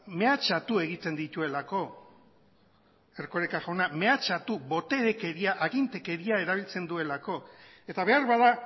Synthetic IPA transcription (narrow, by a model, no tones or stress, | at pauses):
me̞at͡ʃat̪ue̞ɣ̞it͡s̪e̞nd̪it̪ue̞lako̞ | e̞rkoɾekaʝoname̞at͡ʃat̪uβo̞t̪e̞ɾeke̞ɾiaʔaɣint̪e̞ke̞ɾiae̞ɾaβ̞ilt͡se̞nd̪ue̞lako̞ | e̞t̪aβe̞aɾβaða